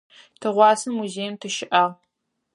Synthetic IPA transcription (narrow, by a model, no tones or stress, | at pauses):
tʰɨʁʷɑːsɨmːuzeːjmtʰɨʃɪʔaːʁ